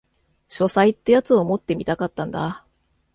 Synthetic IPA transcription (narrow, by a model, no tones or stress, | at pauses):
ɕo̞sait̪ːejat͡sɨomo̞t̪ːe̞mʲit̪akat̪ːãnd̪a̰